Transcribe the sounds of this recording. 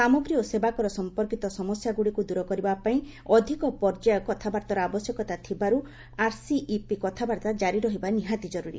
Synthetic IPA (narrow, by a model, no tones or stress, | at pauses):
samɔɡɾiɔsebakɔɾɔsɔmpɔɾkit̪ɔsɔmɔsjaɡuɽikud̪uɾɔkɔɾibapaĩ | ɔd̪ʱikɔpɔɾd͡ʒajɔkɔt̪ʰabaɾt̪ɔɾɔabɔsjɔkɔt̪at̪ʰibaɾu | aɾsiʔipikɔt̪ʰabaɾt̪ad͡ʒaɾiɾɔɦibaniɦat̪id͡ʒɔɾuɾḭ